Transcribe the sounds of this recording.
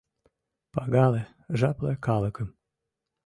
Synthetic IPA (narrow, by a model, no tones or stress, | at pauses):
pɑɣɑle | ʒɑplekɑlə̆kəm